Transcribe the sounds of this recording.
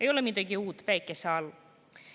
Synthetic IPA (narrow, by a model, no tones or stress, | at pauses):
e̞jo̞lemid̪̥ɑɡiuːt̪ːˑvæjkːˑeseɑl